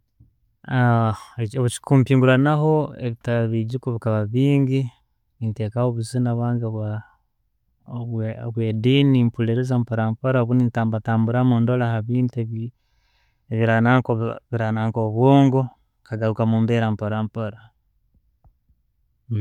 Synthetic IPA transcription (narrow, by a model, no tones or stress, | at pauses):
a | oβut͡ʃi̥kumpiːŋɡuɾanaɦo̞eβitaβiɟikuβikaβaβiːŋɡi | ninteːkahoβuzinaβwaːŋɡβwa | βweːdiːnimpuleɾezampoɾampoɾaoβunintaːmbataːmbuɾamundolahaβiːntueβ | eβiɾanakβiɾanaŋkoβwoːŋɡo | kaɡaɾukamuːmbeɾampoɾampoɾa